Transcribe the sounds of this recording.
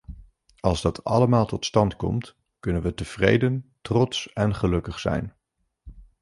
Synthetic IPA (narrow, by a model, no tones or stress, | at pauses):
ɑlˠzdɑtʰɑ̰ləmaːlˠtɔtstɑntkɔ̰mt | kɵnənʋətəv̥rḛjdəntrɔtsɛnχəlɵkəχsɛ̰jn